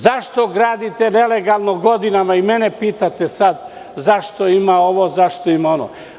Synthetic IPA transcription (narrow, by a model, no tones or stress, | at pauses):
zaʃt̪o̞ɡɾaːd̪it̪eneleɡalˠnoɡo̞d̪inamaimenepiːt̪at̪esad̪ | zaʃt̪oimao̞ʋozaʃt̪oimaono̰